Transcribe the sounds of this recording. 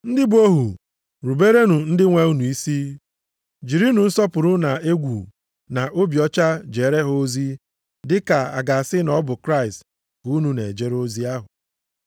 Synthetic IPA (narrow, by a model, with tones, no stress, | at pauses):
n̩˦dɪ˦bo˦ɦu˨ | ɾu˨be˦ɾe˦nu˨n̩˦dɪ˦ŋʷe˦u˦nu˨i˦si˦ | d͡ʒi˨ɾi˦nu˨n̩˦sɔ˦pʊ˨ɾʊ˦na˨e˦ɡʷṵ˨ | na˨ʔo˦bjɔ˦t͡ʃa˦d͡ʒe˨ɾe˦ɦo˦zi˦ | dɪ˦ka˨a̰˨ɡa˨a˨sɪ˦nɔ˦bʊ˨kɾa˦˨ɪ˨st | ɡu˨u˦nu˨ne˨d͡ʒe˦ɾo˦zi˦a˦ɦʊ˨